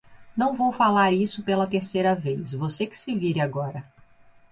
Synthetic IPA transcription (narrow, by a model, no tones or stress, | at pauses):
nɐ̃w̃vowfalaɾisʊpelɐt̪eɾsejɾɐvejsvosekɪ̥sɪviɾaɡɔɾɐ